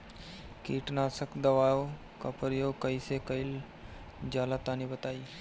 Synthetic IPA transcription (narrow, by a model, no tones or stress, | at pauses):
kiːʈnasəkd̪əʋajo | kəpəɾjokəisekəil | d͡ʒalat̪anibət̪aiː